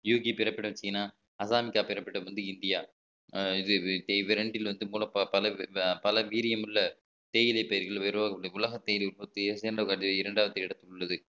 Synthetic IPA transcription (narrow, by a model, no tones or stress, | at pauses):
juːɣipɪɾɐpːɪɽɐmt͡ʃːɪŋɪnːaː | ɐsaːmɪkːaːpɪɾɐpːɪʈːɐmʋɐnd̪ɯɪnd̪ɪjaː | ɪðɯʋɪɾɐɳɖɪlʋɐnd̪ɯpoːlɐ̃ɐpɐlɐpɐlɐʋiːɾɪjɐmɯɭːɐ | t̪eːjɪlɐpejɐɾɣɐɭʋɛɾɯʋaːɣɐɐɽɐðɯʊlɐɣɐt̪ːeːjɪlɛʊlpoːt̪ːɯeseːnɖɐkaːʈːɐɪɾɐɳɖaːʋɐt̪ːɐɪɽɐt̪ːɯkɯɭːɐðɯ